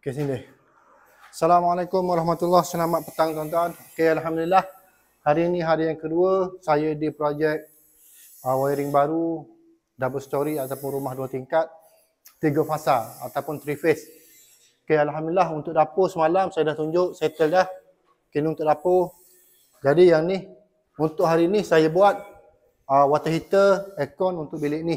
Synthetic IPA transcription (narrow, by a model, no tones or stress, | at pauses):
kes̬idɪh | asalamalakʊmwaɾɑhmat̪ulːahsənamat̪̚pət̪aŋt̪ant̪uankealɦamdlilah | haɾiːnĩɦaɾijaŋkəduəsajədipɾod͡ʒɛk̚ | əwaiɾɪŋbaɾu | dabəsə̥t̪oɾiat̪awpʊnrumahduət̪iŋkat̪̚ː | iɡəfasaa̰t̪awpʊnt̪ɾifɪs | kealɦamdilaɦunt̪ʊʔdaposəmalamsajadaht̪uɲd͡ʒʊʔsajət̪əldah | kiniunt̪ʊʔdapo | d͡ʒadijaŋnih | unt̪ʊʔɦaɾinisajəbuat̪̚ | əwat̪əɦit̪əɛkɔnunt̪ʊʔ̚bilɪʔni